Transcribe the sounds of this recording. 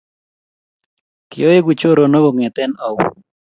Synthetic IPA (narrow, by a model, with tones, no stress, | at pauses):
kɪo˦je˦ɡu˨t͡ʃo˦ɾo˨no˦ɡo˨ŋɛ˨t̪ɛ˦na˨w